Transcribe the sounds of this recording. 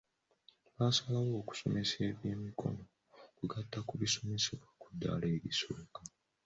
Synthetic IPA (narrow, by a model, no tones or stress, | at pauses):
βaːsalawo̞ːku̥so̞̰me̞se̞ːβjeːmikʰo̞̰no | kuɡatːakuβiso̞me̞siβwakudːa̰ːle̞ːɾisoka